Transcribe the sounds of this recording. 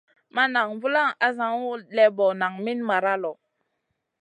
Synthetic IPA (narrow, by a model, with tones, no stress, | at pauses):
ma˦na˨ŋvu˦la˦ŋa˦za˨ŋu˦lɛ˦bɔ˨na˨ŋmi˦nma˨ɾa˦lɔ˨